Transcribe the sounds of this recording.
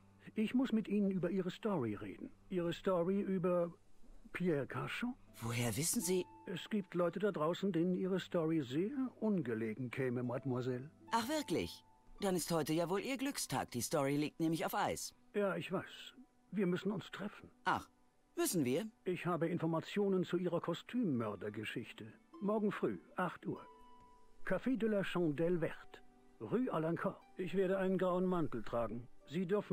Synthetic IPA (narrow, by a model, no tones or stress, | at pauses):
ʔɪçmʊsmɪtʔiːnənyːbɐʔiːʁəstɔʁiʁḛːdn̩ʔiːʁəstɔʁiʔyːbɐ | pʰiɛkʰaʃov̥oːheːɐvɪsn̩ziːʔɛsɡ̥iːp̚tʰlɔʏtədadʁaʊsn̩deːnənʔiːʁəstɔʁizeːɐʔʊnɡəleːɡŋ̩kʰɛːməmatmwazɛlʔaχv̥ɪɐklɪ̰ç | d̥anɪsthɔʏtəjaːvoːlʔiːɐɡlʏkstʰa̰ːk̚d̥iːstɔʁiliːk̚tnɛːmlɪçaʊfʔaɪsjaːɪçv̥aɪs | viːɐmʏsn̩ʊnstʁ̥ɛfn̩ʔa̰χ | mʏsn̩viːɐʔɪçhaːbəɪnfɔɐmat͡sjoːnənt͡suʔiːʁɐkʰɔstʰyːmːœɐdɐɡəʃɪçtəmɔɐɡŋ̩fʁ̥y̰ːʔaχtʔuːɐ | kʰafeːdɔlɐʃɑ̃dɛlvɛʁt | ʁyːʔalaŋkʰɔʔɪçv̥eːɐɾəaɪnənɡʁaʊənmantl̩tʁ̥aːɡŋ̩ziːdʏɐfn̩